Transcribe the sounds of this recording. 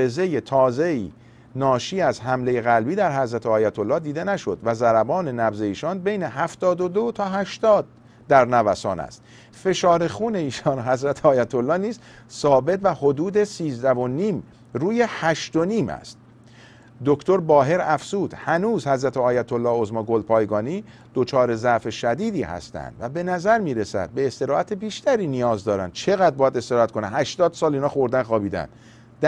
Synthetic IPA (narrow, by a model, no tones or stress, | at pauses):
eze̞je̞t̪ʰɒːze̞iː | nɒːʃiːæzɦæmle̞je̞ɣælbiːd̪æɾɦæzɾæt̪ʰeɒːjæt̪ʰolːɒːhd̪iːd̪e̞næʃo̞d̪væzæɾæbɒːne̞næbze̞iːʃɒːnbejneɦæft̪ɒːd̪o̞d̪ot̪ʰɒːɦæʃt̪ɒːd̪̚ː | æɾnævæsɒ̰ːnæ̰st̪ | fe̞ʃɒːɾe̞xuːne̞iːʃɒːnɦæzɾæt̪ʰeɒːjæt̪ʰolːɒːniːz | sɒːbe̞t̪væho̞d̪uːd̪e̞siːzd̪ævo̞niːm | ruːje̞hæʃt̪o̞niːmæ̰st̪̚ | d̪okt̪o̞ɾbɒːɦe̞ɾæfzuːd̪̥hænuːzhæzɾæt̪ʰeɒːjæt̪ʰolːɒːhozmɒɡolpʰɒːjɡɒːniː | d̪̥o̞t͡ʃʰɒːɾe̞zæfe̞ʃæd̪iːd̪iːhæ̰st̪æ̰nd̪̥væbe̞næzæɾmiːɾesæ̰d̪̥̚be̞ːst̪e̞ɾɒːæt̪ʰe̞biːʃt̪æɾiːnijɒːzd̪ɒːɾæ̰nd̪̥̚t͡ʃʰe̞ɣæd̪̚bɒːjæd̪e̞st̪e̞ɾɒːæt̪kʰo̞nænhæʃt̪ɒːd̪̥sɒːliːnɒːxo̞ɾd̪ænxɒːbiːd̪æ̰nd̪ | d̪